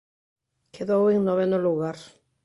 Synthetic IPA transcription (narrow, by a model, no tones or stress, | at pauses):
kʰeðɔwɪŋnɔβɛnɔluɣaɾ